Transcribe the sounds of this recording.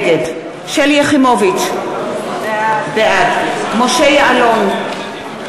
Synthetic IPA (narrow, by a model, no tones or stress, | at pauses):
ɡed | ʃeljeχimovit͡ʃ | beʔadmoʃejaalon